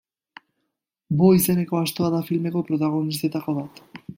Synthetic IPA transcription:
bo̞ise̞ne̞ko̞ast̪o̞aðafilme̞ko̞pɾo̞t̪aɣ̞o̞nist̪e̞t̪ako̞βat̪

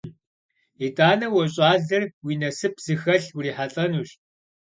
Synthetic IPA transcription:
itʼaːnɐwɔɕʼaːzɐrwiːnɐsɨpz̥ɨxɐɬwɾiːħaɬʼɐnuːɕ

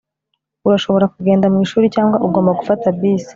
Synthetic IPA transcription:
uɾaʃo̞βo̞ɾakuɡe̞ːndamŋiːʃuːɾicaːŋɡwaʔuɡo̞ːmbaɡufatabbiːsi̥

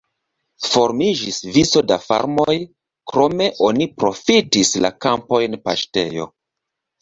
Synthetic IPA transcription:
fo̞ɾmid͡ʒisviso̞dafa̰ɾmo̞j | kɾo̞me̞ʔo̞nipɾo̞fitisla̰kampo̞jnpa̰ʃte̞̰jo̞̰

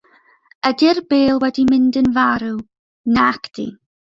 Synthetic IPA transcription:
ədɪrbeːlˠwɛdimɪndənvaɾu | nakd̥ḭ

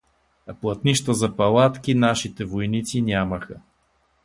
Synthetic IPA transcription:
ɐplˠɐt̪niʃt̪əzɐpɐlˠat̪kʲinaʃit̪ɛvojnit̪sinʲaməxə

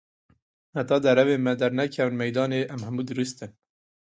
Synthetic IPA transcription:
hæt̪ɑːd̪æɾɛveːmɛd̪æɾnækʰɛvnmɛjd̪ɑːneːʔæmhæmuːd̪ɨɾɨst̪ɨn

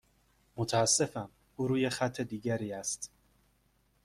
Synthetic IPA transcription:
mot̪ʰæːsːe̞fæn | ʔuːɾuːjexæt̪ʰːe̞d̪iːɟæɾiːæst̪

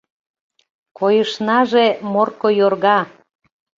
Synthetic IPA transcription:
kojəʃnɑʒemorkojorɣɑ

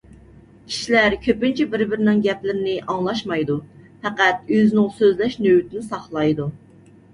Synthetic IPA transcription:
kʲʰi̥ʃilæɾkʲʰøpynt͡ʃʰɛbɪɾbɪɾɪnɪŋɡʲɛplɪɾɪnɪʔɑŋlˠɑʃmɑjd̪u | fɛqæt̪̚øzɪnɪŋsøzlɛʃnøwyt̪ʰɪnɪsɑχlˠɑjd̪u

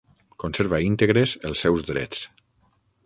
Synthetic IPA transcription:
konseɾβaint̪eɣɾezəlˠsːɛwzd̪ɾɛ̰t͡s

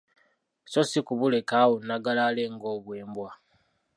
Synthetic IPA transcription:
so̞sikuβule̞kawonːaɡalaːle̞ŋɡo̞ːβwe̞ːmbwa

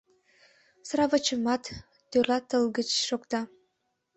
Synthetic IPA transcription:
sɾɑvət͡ɕəmɑt̪ː | ølɑt̪əlɡət͡ɕʃokt̪ɑ

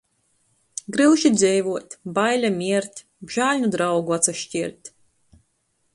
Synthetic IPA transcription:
ɡɾɨwʃid̪zʲɛjvuɔt̪ʲbajlʲamʲiɛɾt̪ʲ | bʒ̥aːlʲnud̪ɾawɡuat̪saʃcʲiɛɾt̪ʲ

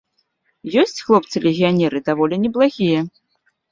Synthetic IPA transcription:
jɔsʲt͡sʲxlˠɔpt̪sɨlʲeɣʲijanʲɛɾɨd̪avɔlʲinʲɛblˠaɣʲijɐ

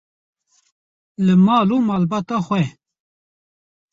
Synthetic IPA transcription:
lɨmɑːluːmaːlbɑːt̪ɑːxwɛ

